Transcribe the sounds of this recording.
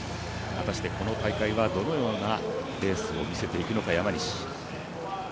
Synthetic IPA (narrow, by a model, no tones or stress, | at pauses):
βat̪aɕi̥t̪e̞ko̞no̞t̪aikaiβad̪o̞no̞jo̞ːnabe̞ːsɨo̞̰mʲise̞t̪e̞ikɯ̟no̞kajamaɲ̟iɕi̥